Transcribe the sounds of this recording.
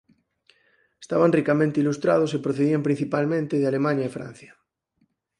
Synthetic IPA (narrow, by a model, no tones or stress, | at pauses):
est̪aβanrikamẽnt̪eilust̪ɾað̞osepɾoθeðiampɾĩn̟θipalmẽnt̪eðealemãɲaifɾã̰n̟θja